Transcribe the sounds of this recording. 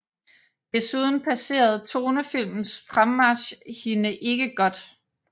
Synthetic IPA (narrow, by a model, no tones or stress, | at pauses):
d̥e̝suð̞ˠn̩pʰæse̝̰ːɐð̞̩ˠt͡sʰo̝ːnəfil̰mn̩sfʁamːɑɕhinəʔe̝ɡ̥əɡ̥ɒ̽d̥